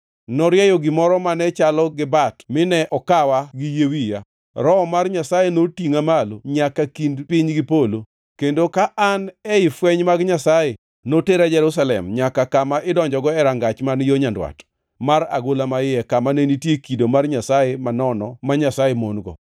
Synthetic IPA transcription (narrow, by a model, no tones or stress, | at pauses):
nɔɾjɛjoɡɪmɔɾɔmanɛt͡ʃalɔɡɪbatmɪnɛʔɔkawaɡɪjewija | ɾɔmarɲasajenotiŋamaloɲakakindpɪɲɡɪpolo | kendokaʔanɛɪfwɛɲmaɡɲasaje | noteɾad͡ʒɛɾus̬alɛ̰mɲakakamaʔɪdɔɲd͡ʒɔɡɔɛɾaŋɡat͡ʃmanjoɲandwa̰t | maɾa̰ɡolamajɪɛkamanenitjekidomarɲasajemanɔnɔ̰maɲasajemonɡɔ̰